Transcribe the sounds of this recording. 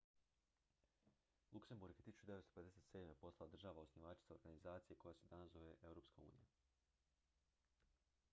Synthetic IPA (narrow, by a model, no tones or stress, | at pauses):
lˠukse̞mbuɾɡet̪isu̥t͡ʃud̪eest̪ope̞d̪e̞set̪se̞ːd̪me̞po̞slad̪ɾr̩ʒaːʋaosniʋat͡ʃi̥t̪aoɾɡanizaːt̪sije̞kojased̪anaso̞ʋeʔe̞wɾopskaṵːnḭja̰